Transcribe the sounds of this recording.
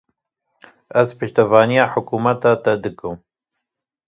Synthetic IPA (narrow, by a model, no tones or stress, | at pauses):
æzpɨʃt̪ɐvɑːnijɑːħʊkuːmɐt̪ɑːt̪ɛd̪ɨkɨm